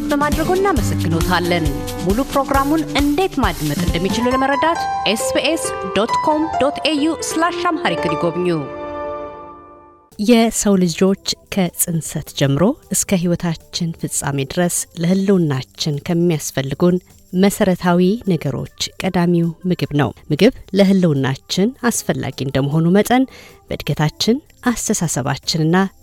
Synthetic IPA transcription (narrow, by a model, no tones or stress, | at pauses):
bəmad̪ɾəɡonːaməsəɡːɨno̞t̪ʰalːən | mulupɾo̞ɡɾamunɨnd̪e̞t̪mad̪mət̪ʼɨnd̪əmːit͡ʃɪluləməɾəd̪at̪ʔesbiʔesd̪ot̪kʰo̞md̪ot̪ʰejuslaʃamhaɾikʰɨniɡo̞βɲːu | jɛsəwlɨd͡ʒo̞t͡ʃːkʰəsʼɨnsət̪d͡ʒɛmːɨɾo̞ʔɨskʰəɦiwɔt̪ʰat͡ʃːɪnfɨsʼa̰med̪ɨɾəsləhɨlːuwnːat͡ʃːɪnkʰəmːijasfəlːɨɡun | məsəɾət̪ʰawinəɡəɾo̞̰t͡ʃːkʼəd̪amiwmɨɡɨβnə̰wmɨɡɨβləɦɨlːɨwnːa̰t͡ʃːɪnasfəlːa̰ɡiɨnd̪əmːəɦo̞numət̪ʼənb̥ə̰d̪ɡət̪ʰat͡ʃːɪn | ʔast̪ʰəsasəβa̰t͡ʃːɪnɨnːa